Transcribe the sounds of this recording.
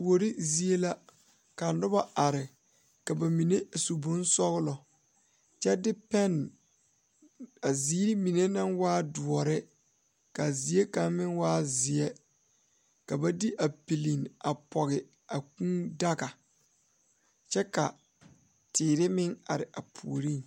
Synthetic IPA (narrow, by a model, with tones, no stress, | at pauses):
wo˨ɾi˦zi˨˦e˦la˦ | ka˨nʊ˦ba˦a˨ɾɪ˨ | ka˨ba˨mi˨ne˦˨su˨bʊ˦n˦sɔ˦ɣɪ˦lɔ˨ | t͡ʃɛ˦dɪ˦pɛ˦˨n | a˨ziː˦ɾi˦mi˨ne˦nã˦nwaː˦dʊ˨ɔ˨ɾɪ˦ | ka˨zi˨e˦ka˨nmɪ̃˦nwaː˦zɪ˨ɛ˦ | ka˨ba˦di˦ʔa˨pi˨li˨na˨pɔ˨ɣɪ˨ | a˨kũ˦da˦ɣa˨ | t͡ʃɛ˦ka˨ | tʰɪː˨ɾɪ˦mɪ˦ŋa˨ɾɪ˨ʔa˨pʰṵ˨o˨ɾi˦n